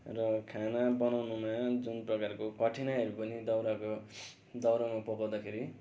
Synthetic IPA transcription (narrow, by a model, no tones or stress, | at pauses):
rʌkʰanabʌnawnumad͡zunprʌkarkokʌʈʰinaɦʌɾupʌnid̪ʌwɾako | d̪ʌwɾamapʌkawd̪akʰeɾi